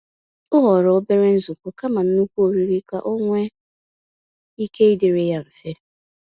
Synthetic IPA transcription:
ʊ˦ɦɔ˨ɾɔ˦bɪ˦ɾe˦n̩˦zʊ˨kʷʊ˨ka˦ma˨n̩˦nu˦kʷu˦o˨ɾi˦ɾi˦ka˨ʔo˦ŋʷe˦ | i˦ke˦i˦dɪ˨ɾe˨ja˦ɱ̩˨fe˦

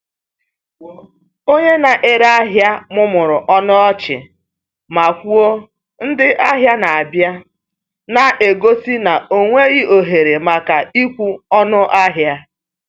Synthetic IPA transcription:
o˦ɲe˦na˨ʔe˦ɾa˦ɦja˦mʊ˦mʊ˨ɾʊ˨ʔɔ˦nʊ˦ɔ˦t͡ʃɪ̰˨ | ma˨kʷu˦o˦ | n̩˦dɪ˦ʔa˦ɦja˦na˨a˨bja˦ | na˨ʔe˨ɡo˦si˦na˨o˦ŋʷe˦ɣɪ˦o˨ɦe˨ɾe˨ma˨ka˨i˦kʷu˦ɔ˦nʊ˦ʔa˦ɦja˦

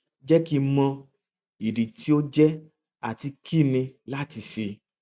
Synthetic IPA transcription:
d͡ʒɛ˦ki˦mɔ̃˧ | i˨di˨ti˦o˦d͡ʒɛ˦ | a˦˨ti˧kʰi˦˨nĩ˧la˦ti˧ʃe˧

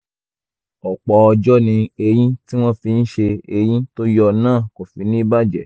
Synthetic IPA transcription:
ɔ˨k͡pɔ˨˦ɔ˧d͡ʒɔ˦nĩ˧e˧j̃ĩ˦ti˦w̃ɔ̃˦fi˧n̩˦ʃe˧e˧j̃ĩ˦to˦jɔ˧nãː˦˨ko˨fi˨˦nĩ˦ba˦d͡ʒɛ˨

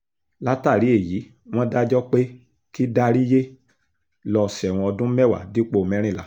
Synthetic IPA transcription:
la˦ta˦˨ɾi˨˦e˦˨ji˨˦ | w̃ɔ̃˦da˦d͡ʒɔ˦k͡pe˦ | ki˦da˦ɾi˦je˦ | lɔ˧si˧˨ɛ˨w̃ɔ̃˧ɔ˧dũ˦mɛ˦˨wa̰˨di˨˦k͡po˦˨mɛ̃˨˦ɾ̃ĩ˦˨la˨˦

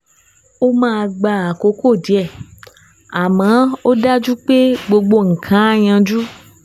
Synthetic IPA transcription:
o˦mãː˦˧ɡ͡ba˧˨a˨ko˨˦ko˦˨di˨˦ɛ˦˨ | a˨mã˨˦o˦da˦d͡ʒu˦k͡pe˦ɡ͡bo˧ɡ͡bo˧ŋ̩˨kʰã˨˦a˦˨j̃ã˧d͡ʒu˦

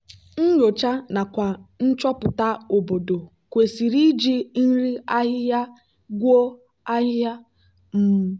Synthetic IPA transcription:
n̩˦ɲo˨t͡ʃa˦na˨kʷa˨n̩˦t͡ʃɔ˦pʊ˨ta˦o˨bo˨do˨ | kʷe˨si˨ɾi˦d͡ʒi˦n̩˦ɾi˦a˦ɦja˦ | ɡʷo˦ | a˦ɦa˦ | m̩˦m˦

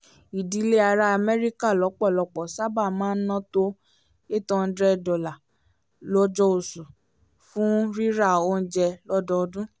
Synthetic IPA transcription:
i˨di˨˦le˦a˧ɾa˧˦a˧mɛ˦ɾi˦ka˦˨lɔ˨˦k͡pɔ˦˨lɔ˧˨k͡pɔ˨sa˦ba˦˨mãː˨˦n̩˦nã˦to˦ | e˦˨tɔ̃˧n̩˦dɾɛ˦dɔ˨la˨ | lɔ˦d͡ʒɔ˧˦o˨su˨ | fũ˦ɾi˦ɾa˦˨o˦n̩˦d͡ʒɛ˧lɔ˦dɔ˧˦˧dũ˦

